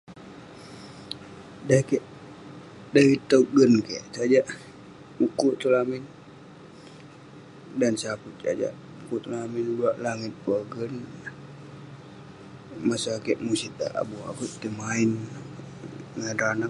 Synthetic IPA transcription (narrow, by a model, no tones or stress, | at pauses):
dakɛʔ | daɾit̪əuɡənkɛʔt͡ʃad͡ʒaʔ | ukuʔt̪ulamin | dansaput̪̚t͡ʃa̰d͡ʒa̰ʔ | ukuʔt̪ulaminbuaʔlaŋit̪̚baɡən | masaakɛʔmusit̪̚a̰ʔa̰bua̰put̪t̪imain | ŋanɾana